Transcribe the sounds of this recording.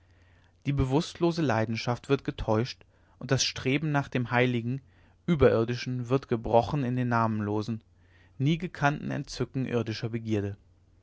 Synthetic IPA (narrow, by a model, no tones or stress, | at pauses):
d̥iːbəvʊstloːzəlaɪdn̩ʃaftv̥ɪɐt̚ɡ̥ətʰɔʏʃt | ʔʊnt̚d̥asʃtʁ̥eːbm̩naːχd̥eːmhaɪlɪɡŋ̩ | ʔyːbɐʔɪɐdɪʃn̩vɪɐtɡ̥əbʁɔχn̩ɪndeːnːaːmənloːzn̩ | niːɡəkʰantn̩ɛ̰ntt͡sʏkŋ̩ʔɪ̰ɐdɪʃɐbəɡiːɐɾə